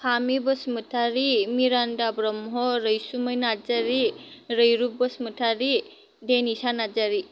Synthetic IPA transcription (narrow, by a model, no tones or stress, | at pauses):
pʰamibɔsmɯtʰaɾimiɾandabɾɔmɦɔɾəjsuməjnad͡ʒaɾiɾəjɾub̚bɔsmɯtʰaɾi | denisanad͡ʒaɾi